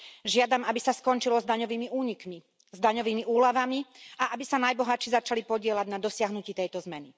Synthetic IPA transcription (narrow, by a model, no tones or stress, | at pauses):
ʒɪad̪amabisaskɔnt͡ʃilɔzd̪aɲɔʋiːmiuːɲikmi | zd̪aɲɔʋiːmiuːlaʋamiaʔabisanajbɔɦat͡ʃizat͡ʃalipɔɟɪɛlaɟnad̪ɔsɪaɦnuciːt̪ɛjt̪ɔzmɛni